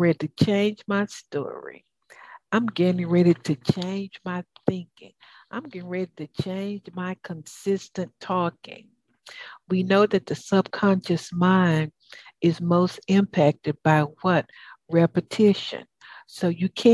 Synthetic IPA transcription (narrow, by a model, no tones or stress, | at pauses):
ɹɛiɾɨt͡ʃʰẽɪ̃nd͡ʒmaɪstɔ̰ɹḭ | ãɪ̃mɡɛɾɪ̃ŋɹɛɾiɾɨt͡ʃʰẽɪ̃nd͡ʒmaɪθɪ̃ŋkɪ̰̃ŋ | ʔãɪ̃mɡʌɪ̃ŋɹɛɾiɾɨt͡ʃʰẽɪ̃nd͡ʒmaɪkʰə̃nsɪstɨ̃ntʰɔkɪ̰̃ŋ | winoʊðɨt̪̚ðɨsʌb̥̚kʰɑ̃nʃɨsmãɪ̃nd | ɨzmoʊstɪ̃mpʰæk̚tɨd̚baɪwʌt̚ɹɛpɨtʰɪʃɨ̰̃nsoʊjɨkʰæ̃